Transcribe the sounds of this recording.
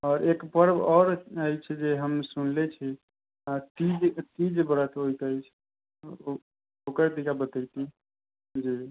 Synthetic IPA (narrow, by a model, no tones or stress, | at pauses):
ɔːɾekpəɾbɔːɾəjt͡ʃʰɛd͡ʒeɦəmsunlet͡ʃʰi | at̪id͡ʒt̪id͡ʒbəɾət̪ojt̪əjt͡ʃʰ | okəɾd̪ikabət̪əjt̪i | d͡ʒi